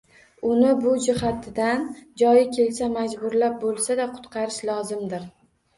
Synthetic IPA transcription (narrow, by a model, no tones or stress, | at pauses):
ʊnɪbʊd͡ʒɪɦat̪ʰɪd̪and͡ʒɒjɪkʲʰe̞lsamad͡ʒbʊɾlap̚bolˠsad̪aqʰʊ̥t̪qʰɑɾɪʃlˠɒzɪmd̪ɪɾ